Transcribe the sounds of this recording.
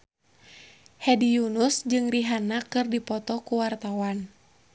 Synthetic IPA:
hɛdijunusd͡ʒɨŋriɦanakɨrdipɔt̪ɔkuwart̪awan

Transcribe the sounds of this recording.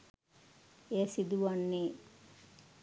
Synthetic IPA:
esid̪uʋanːe

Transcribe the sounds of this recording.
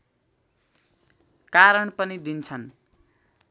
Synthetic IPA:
kaɾʌɳpʌnid̪int͡sʰʌn

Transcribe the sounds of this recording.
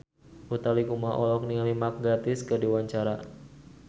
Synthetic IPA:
ut̪aliɡumaʔɔlɔk̚niŋamimak̚ɡat̪ɪskɨrdiwaɲt͡ʃaɾa

